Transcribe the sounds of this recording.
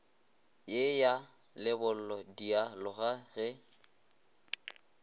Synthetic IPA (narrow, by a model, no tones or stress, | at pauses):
jeja | lɪbʊl̩lɔdialʊɣaɣɪ